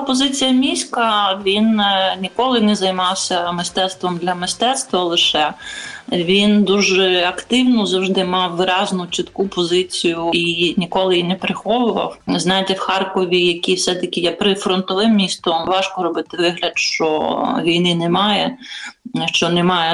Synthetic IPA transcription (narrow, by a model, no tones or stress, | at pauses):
pɔzɪt͡sʲijɐmʲisʲkɐʋʲinnʲikɔlˠɪnɛzɐjmɑwsʲɐmɪst̪ɛt̪st̪ʋɔmd̪lʲɐmɪst̪ɛt̪st̪ʋɐlˠɪʃɛ | ʋʲind̪uʒɛɐkt̪ɪwnʊzɐwʒd̪ɪmɑwːɪɾɑznʊt͡ʃit̪kupɔzɪt͡sʲijʊinʲikɔlˠɪjinepɾɪxɔʋʊʋɐ̰wznɑjɪt̪ɛwxɑrkɔʋʲijɐkʲiwsɛt̪ɐkʲɪjɛpɾɪfɾɔnt̪ɔʋɪmːʲist̪ɔmʋɑʃkɔɾɔbɪt̪ɪʋɪɦlʲɐd̪ʃt͡ʃɔʋʲijnɪnɛmɑjɛ | ʃt͡ʃɔnɛmɑjɛ